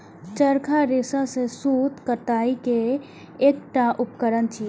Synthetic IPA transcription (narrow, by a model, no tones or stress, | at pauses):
t͡ʃəɾkʰaɾesasesut̪kət̪aːike | eːk̚ʈaʔʊpkəɾənt͡ʃʰi